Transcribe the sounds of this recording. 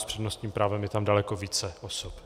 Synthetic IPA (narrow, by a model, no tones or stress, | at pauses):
spr̝̥ɛdno̞st̪ɲiːmpɾaːvɛmjɛt̪amdalɛkoviːt͡sɛʔosop